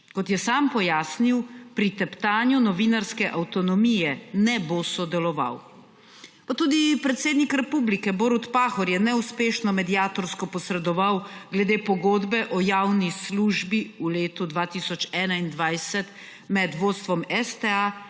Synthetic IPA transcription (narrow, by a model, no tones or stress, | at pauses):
kɔt̪jɛsaːmpɔjaːsniwpɾit̪ɛpt̪aːnjunɔʋinaɾskɛʔawt̪ɔnɔmijɛnɛboːsɔd̪ɛlɔʋa̰w | pat̪uːd̪ipɾɛt̪seːd̪nikɾɛpublikɛboːɾut̪paːxɔɾjɛnɛuspeːʃnɔmɛd̪iaːt̪ɔɾskɔpɔsɾɛd̪ɔʋawɡlɛd̪eːpɔɡoːd̪bɛʔɔjaːwnisluʒbiuleːt̪ud̪ʋaːt̪isɔt͡ʃɛːnaind̪ʋajsɛt̪ | mɛd̪ʋoːt̪st̪ʋɔmɛst̪ɛa